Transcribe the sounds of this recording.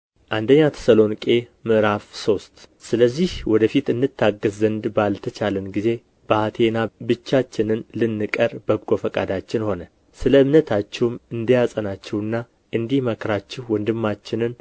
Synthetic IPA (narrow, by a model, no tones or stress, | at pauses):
ʔand̪əɲːat̪ʰə̥səlo̞nkʼe̞mɨʔɨɾafso̞st̪ʼsɨləzːihwɔd̪əfit̪ɨnːɨt̪ʰːaɡəzːənd̪balt̪ʰət͡ʃalənɡize̞ | b̥əhat̪ʰe̞nabɨt͡ʃːat͡ʃːɪnɨnlɨnːɨkʼəɾbəbɡʼo̞fəkʼad̪at͡ʃːɪnho̞nə | sɨləɨmnət̪ʰat͡ʃːɛwmɨnd̪ijasʼənat͡ʃːɛwɨnːa | ʔɨnd̪ihməkʰɾat͡ʃːɛhwɔnd̪ɨmːat͡ʃːɪnɨn